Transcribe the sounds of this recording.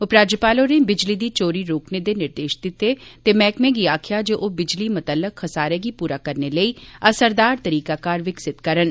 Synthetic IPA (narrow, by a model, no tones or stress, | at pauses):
ʊpɾaːd͡ʒjəpaːlõːneːbɪd͡ʒliːd̪iːt͡ʃoːɾiːɾoːkneːd̪eːnɪɾd̪eːʃd̪ɪt̪ːeːt̪eːmɛːkmẽːɡiːaːkʰɪjaːd͡ʒoːʔoːbɪd͡ʒliːmət̪əlːəkxəsaːɾeːɡiːpuːɾaːkəɾneːləiːəsəɾd̪aːɾt̪əɾiːkaːkaːɾʋɪksɪt̪kəɾən